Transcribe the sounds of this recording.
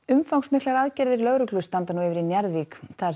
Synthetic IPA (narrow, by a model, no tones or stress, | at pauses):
ʏmfawksmɪhk̪laɾaðcɛɾðɪɾlœɣɾʏklʏst̪ant̪anuɪvɪɾinjɛɾðvikθaðɛ